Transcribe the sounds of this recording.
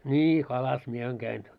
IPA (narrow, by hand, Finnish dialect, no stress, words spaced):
nʲi kɑlɑs mie ɑiŋ kæin